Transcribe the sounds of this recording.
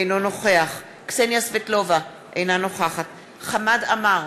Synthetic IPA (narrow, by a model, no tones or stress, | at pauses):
ejno̞no̞χe̞aχ | ksenjasvetlova | ʔejnano̞χaχat | χamadamaʁ